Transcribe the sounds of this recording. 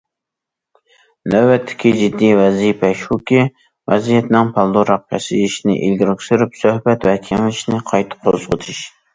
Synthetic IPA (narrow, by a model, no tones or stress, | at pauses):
næbɛt̪ʰːɪ̥kʲid͡ʒid̪ːijvɛzijpʰɛʃhukʲi | vɛzijɛt̪nɪŋpʰɑlˠd̪oɾɑq̚pʲʰɛ̰sɪiʃnɪ̰ʔilɡʲiɾkʲsyɾypsøhbɛt̪wɛkʲʰiŋlɪʃnɪqʰɑjt̪ʰɨ̥qʰozʁət̪ʰɨʃ